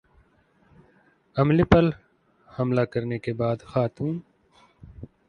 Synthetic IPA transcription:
ɐmlipɐl | hɐmlakɐɾnekebaːd̪xaːt̪ũːn

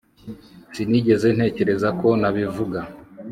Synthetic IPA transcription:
siniɟe̞ze̞n̥he̞ːce̞ɾe̞zako̞naβivuɡa

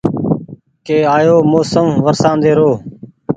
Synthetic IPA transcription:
keːaːjoːmoːsəmʋəɾsãːnd̪eːɾoː

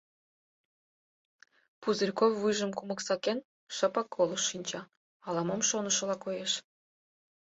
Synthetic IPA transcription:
puzərʲkofːɨʒə̆mkumə̆ksɑken | ʃə̆pɑkʰːolˠəʃːinʲt͡ɕɑ | ɑlˠɑmomʃonə̆ʃɤ̆lɑkojeʃ

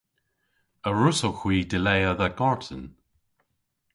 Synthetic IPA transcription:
əɹʊsoxwiːdɪlejəðəɡɔɹtʰən

